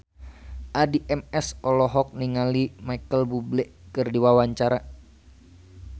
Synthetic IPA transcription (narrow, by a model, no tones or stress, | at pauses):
ʔadiʔɛmɛsɔlɔɦɔk̚niŋalimaikəlbublɛʔkərdiwawaɲt͡ʃaɾa